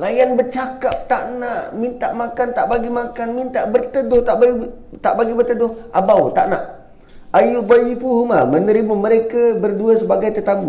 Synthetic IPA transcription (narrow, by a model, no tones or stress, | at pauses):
lajanbərt͡ʃakap̚t̪aʔnaʔmint̪aʔmakant̪aʔbaɡimakanmint̪aʔbərt̪ədʊht̪aʔbai | t̪aʔbaɡibərt̪ədʊhabawt̪aʔna̰ʔ | ajub̪ajifuɦmamənəɾimaməɾekabərduasəbaɡajt̪ət̪amu